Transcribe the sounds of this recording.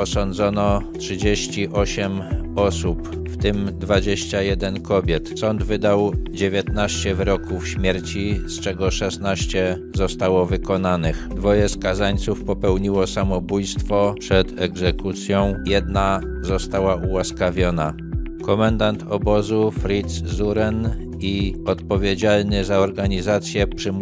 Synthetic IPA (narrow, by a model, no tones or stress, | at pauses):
ɔsɔnd̪zɔnɔtʂɨd͡ʑeɕt͡ɕiʔɔɕɛmɔsup | ft̪ɘmd̪vad͡ʑeɕt͡ɕajɛd̪ɛnkɔbʲjɛt̪sɔnd̪vɘd̪awd͡ʑevʲjet̪naɕt͡ɕɛvɾɔkufɕmʲjɛɾt͡ɕist͡ʂɛɡɔʂɛsnaɕt͡ɕɛ | zɔst̪awɔvɘkɔnanɘxd̪vɔjɛskazaɲt̪sufpɔpɛwɲiwɔsamɔbujst̪fɔpʂɛt̪ɛɡzɛkut̪sʲjɔ̃w̃jɛd̪na | zɔst̪awaʔuwaskavʲjɔna | kɔmand̪ant̪ʰɔbɔzufɾit̪szuɾɛn | iɔt̪pɔvʲjed͡ʑalnɘzaɔɾɡaɲizat̪sʲjɛpʂɘm